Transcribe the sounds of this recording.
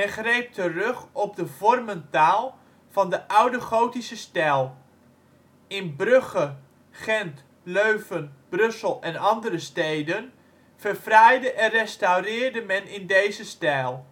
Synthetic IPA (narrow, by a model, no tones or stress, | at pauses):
mɛnχrejp̚tərøχɔb̚dəvɔrməntaːlˠ | v̥ɑndəʔʌwdəχowtisəstɛlˠ | ɪnbrøχə | χɛnt | løɥvənb̥rɵsəlˠɛnɑndərəstejdən | v̥ərfrɛjdəʔɛnrɛstawrɪːɹdəmɛnɪndejzəstɛlˠ